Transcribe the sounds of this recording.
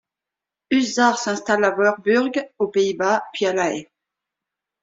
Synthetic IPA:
yzaʁsɛ̃st̪alavœʁbyʁɡopeibapɥialaɛ

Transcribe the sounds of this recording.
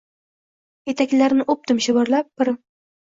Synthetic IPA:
jet̪ʰakʲlaɾnɪʔʊp̚t̪ɪmʃɪbɒɾlap̚ːɪɾɪ

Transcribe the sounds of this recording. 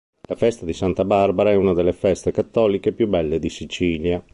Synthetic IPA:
lafɛst̪ad̪isant̪abarbaɾaɛunad̪elːefɛst̪ekat̪ːɔːlikepjubːɛlːed̪isit͡ʃiːlja

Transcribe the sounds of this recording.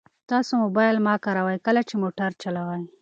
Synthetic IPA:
t̪ɑsomobɑjlmɑkaɾawajkəlat͡ʃemoʈaɾt͡ʃalawaj

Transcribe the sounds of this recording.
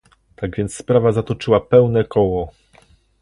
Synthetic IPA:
t̪aɡvʲjɛnt̪sspɾavazat̪ɔt͡ʂɘwapɛwnɛkɔwɔ

